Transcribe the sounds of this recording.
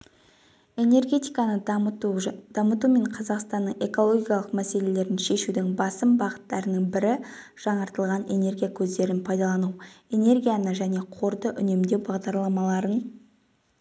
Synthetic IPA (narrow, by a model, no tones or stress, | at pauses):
e̞ne̞ɾɡʲe̞t̪ijkɑnə | d̪̥ɑmət̪ume̞ɴqʰɑzɑqst̪ɑnːəɴe̞ko̞lˠo̞ɡʲijɑlˠəqmæse̞le̞le̞ɾɪnʃe̞ʃud̪ɪŋbɑsəmbɑʁət̪ːɑɾənəɴbɪɾɪ | ʒ̥ɑɴɑɾt̪əlˠʁɑne̞ne̞ɾɡʲijakʲʰɵzd̪e̞ɾɪnpʰɑjd̪ɑlˠɑnuwe̞ne̞ɾɡʲijanəʒæne̞qʰo̞ɾd̪əʔʏne̞md̪e̞wbɑʁd̪ɑɾlˠɑmɑlˠɑɾən